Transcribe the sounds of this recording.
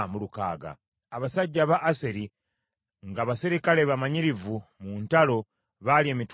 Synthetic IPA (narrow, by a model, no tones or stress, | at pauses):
muluka̰ːɡa̰ː | βasaɟːaβaʔːseɾi | ŋɡaːβasiɾikale̞βamaɲiɾivumuːntalo̞ | βalie̞mit